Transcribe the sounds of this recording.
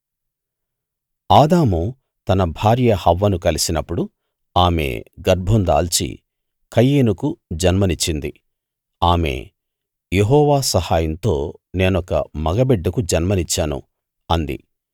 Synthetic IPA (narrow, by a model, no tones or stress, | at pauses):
aːd̪aːmu | t̪ɐnɐbʱaːɾjɐhɐʋːɐnukɐlisinɐpːuɽu | aːme̞̰ːɡɐɾbʱond̪a̰ːlt͡ʃḭ | kʰɐjːeːnukud͡ʒɐnmɐnit͡ʃːind̪ḭ | aːme̞̰ː | jeɦɔːʋaːsɐhaːjɐnt̪o̞ːne̞ːnɔkɐ̰mɐɡɐbɛɖːɐkud͡ʒɐnmɐnit͡ʃːaːnṵ | ɐnd̪ḭ